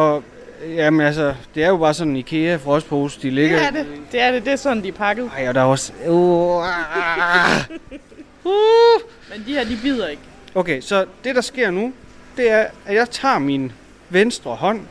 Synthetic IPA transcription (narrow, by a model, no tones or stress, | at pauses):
ɒ̽ | jæmenæls̬əd̥e̝æɐjo̝b̥ɑ̈ːsɒ̽nnikʰe̝ːæfʁɒ̽spʰoːsd̥ile̝ɡ̥ɐded̥e̝æɐɾ̥e̝d̥e̝æɐsɒ̽nn̩d̥iæpʰɑ̈ɡ̥ð̩ˠɑɪod̥ɑɒso | hu | mend̥iheɐd̥ib̥ið̰ˠɐe̝ɡ̥ | okʰesɒ̽d̥e̝ɾ̥ɑ̈sɡ̥e̝ɐ̰nud̥e̝æɐæjɑ̈ɪt͡sʰɑ̰̈ːmin | ʋensd̥ʁɐɦɒ̽n̰